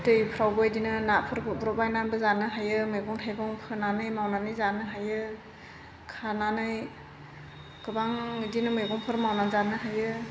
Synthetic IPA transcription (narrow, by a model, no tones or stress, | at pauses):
tɯjpʰɾawbɯjdinɯnapʰɯɾbʰɯbɾɔbajnanbɯzanɯɦajɯmɯɡɔnɦajɡɔŋpʰɯnanɯjmawnanɯjzanɯɦajɯ | kʰananɯj | kɯbaŋdinɯmɯjɡɔnpʰɯɾmawnazanɯɦajɯ